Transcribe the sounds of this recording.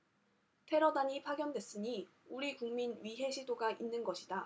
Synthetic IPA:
tʰe̞ɾʌdaɲipʰaɡjʌndwe̞s͈ɯɲi | uɾikuŋminɥiɦe̞ɕʰidoɡaʔinːɯnɡʌɕʰida

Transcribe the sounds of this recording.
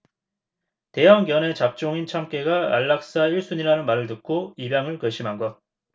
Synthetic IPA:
te̞jaŋɡjʌne̞t͡ɕap̚t͡ɕ͈oŋint͡ɕʰamk͈e̞ɡaa̰ɭːak̚s͈aiɭs͈uɲiɾanɯnmaɾɯɭtɯk̚k͈ʰoibjaŋɯɭkʌɕʰimɦaŋɡʌ

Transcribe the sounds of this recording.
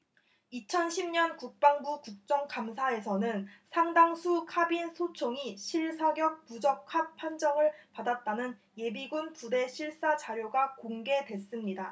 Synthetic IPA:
it͡ɕʰʌnɕʰimɲʌnkuk̚p͈aŋbukuk̚t͡ɕ͈ʌŋkamsʰae̞sʰʌnɯnsʰaŋdaŋsʰukʰabinsʰot͡ɕʰoŋiɕʰiɭsʰaɡjʌk̚pud͡ʑʌk̚kʰat̚pʰand͡ʑʌŋɯɭpadat̚t͈anɯn | je̞biɡunpude̞ɕʰiɭs͈at͡ɕaɾjoɡakoŋɡe̞dwe̞s͈ɯmɲida

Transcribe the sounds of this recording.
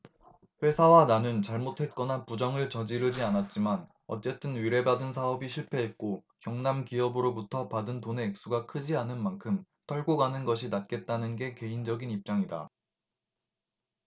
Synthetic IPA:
ɸwe̞sʰawananɯnt͡ɕaɭmotʰwe̞t̚k͈ʌnapud͡ʑʌŋɯɭt͡ɕʌd͡ʑiɾɯd͡ʑianat̚t͡ɕ͈iman | ʌ̰t͡ɕ͈e̞t͈ɯnɥiɾe̞badɯnsʰaʌbiɕʰiɭpʰe̞ɦet̚k͈okjʌŋnamkiʌbɯɾobutʰʌpadɯntone̞ːk̚s͈uɡakʰɯd͡ʑianɯnmankʰɯm | tʰʌɭɡoɡanɯnɡʌɕʰinat̚k͈e̞t̚t͈anɯnɡe̞ke̞ind͡ʑʌɡinip̚t͡ɕ͈aŋida̰

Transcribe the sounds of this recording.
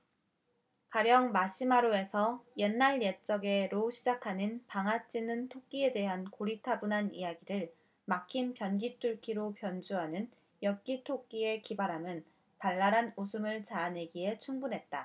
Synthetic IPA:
kaɾjʌŋmaɕ͈ʰimaɾoe̞sʰʌje̞nːaɭjet͡ɕ͈ʌɡe̞ɾoɕʰid͡ʑakʰanɯnpaŋɦat͡ɕ͈inɯntʰok̚k͈ie̞de̞ɦankoɾitʰabunɦanijaɡiɾɯɭ | makʰinpjʌnɡit͈uɭkʰiɾopjʌnd͡ʑuɦanɯn | jʌk͈itʰok̚k͈ie̞kibaɾɦamɯn | paɭːaɾanusʰɯmɯɭt͡ɕaːne̞ɡiɦe̞t͡ɕʰuŋbunɦe̞t̚t͈a

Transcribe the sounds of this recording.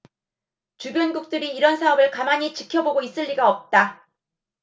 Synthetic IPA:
t͡ɕubjʌnɡuk̚t͈ɯɾiːɾʌnsʰaʌbɯɭkamaɲit͡ɕi̥kʰjʌboɡois͈ɯʎːiɡaʌp̚t͈a

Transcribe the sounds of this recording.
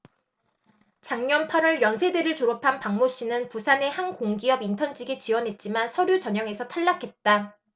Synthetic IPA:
t͡ɕaŋɲʌnpʰaɾɯɭjʌnsʰe̞deɾɯɭt͡ɕoɾopʰanpaŋmoɕ͈inɯnpusʰane̞hankoŋɡiʌbintʰʌnd͡ʑiɡet͡ɕiwʌnɦe̞t̚t͡ɕ͈imansʰʌɾjut͡ɕʌɲʌŋe̞sʰʌtʰaɭːakʰe̞t̚t͈a

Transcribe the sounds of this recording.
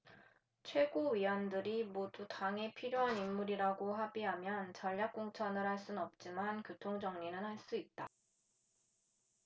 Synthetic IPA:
t͡ɕʰwe̞ɡoɥiwʌndɯɾimodutaŋe̞pʰiɾjoɦanimːuɾiɾaɡoɦabiɦamjʌnt͡ɕʌʎːjak̚k͈oŋt͡ɕʰʌnɯɾɦaɭs͈unʌp̚t͡ɕ͈imankɯtʰoŋd͡ʑʌŋɲinɯnhaɭs͈uit̚t͈a

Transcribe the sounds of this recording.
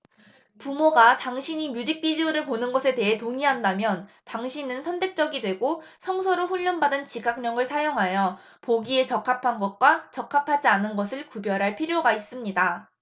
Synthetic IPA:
pumoɡataŋɕʰiɲimjud͡ʑik̚p͈id͡ʑioɾɯɭponɯnɡʌsʰe̞te̞ɦetoŋiɦandamjʌntaŋɕʰinɯnsʰʌntʰe̞k̚t͡ɕ͈ʌɡidwe̞ɡosʰʌŋsʰʌɾoɸuʎːʌnbadɯnt͡ɕiɡak̚ɲʌŋɯɭsʰajoŋɦajʌ | poɡie̞t͡ɕʌkʰapʰanɡʌt̚k͈wat͡ɕʌkʰapʰad͡ʑianɯnɡʌsʰɯɭkubjʌɾɦaɭpʰiɾjoɡais͈ɯmɲida

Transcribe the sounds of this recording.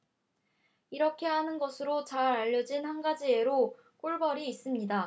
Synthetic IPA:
iɾʌkʰe̞hanɯnɡʌsʰɯɾot͡ɕaɾaʎːʌd͡ʑinhanɡad͡ʑie̞ɾo | k͈oɭbʌɾiːs͈ɯmɲida

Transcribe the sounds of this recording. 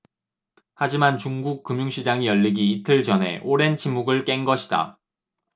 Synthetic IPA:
had͡ʑimant͡ɕuŋɡuk̚k͈ːɯmjuŋɕʰid͡ʑaŋijʌʎːiɡiːtʰɯɭt͡ɕʌnɦe̞̰ʔoɾe̞nt͡ɕʰimːuɡɯɭk͈e̞nɡʌɕʰi̥da̰

